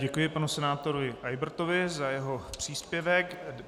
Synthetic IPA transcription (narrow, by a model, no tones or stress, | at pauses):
ɟɛkujɪpanusɛnaːt̪oɾovɪʔajbɾt̪ovɪzajɛɦo̞pr̝̥iːspjɛvɛk